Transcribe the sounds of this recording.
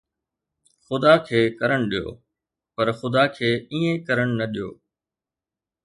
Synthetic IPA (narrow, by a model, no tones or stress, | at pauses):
xʊd̪akʰeːkɐɾəɽ̃ɗijo̰ː | pɐɾxʊd̪akʰeːiːẽkɐɾəɽ̃nɐɗijo̰ː